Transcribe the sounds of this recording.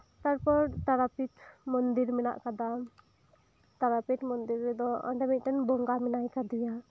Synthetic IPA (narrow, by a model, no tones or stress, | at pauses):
t̪aɾpɔɾt̪aɾapit̪mɔnd̪iɾmɛna̰ʔkad̪a | t̪aɾapit̪mɔnd̪iɾɛd̪ɔɔ̰ɳɖɛmiˀt̪ɛnbɔŋɡamɛnajkad̪ɔja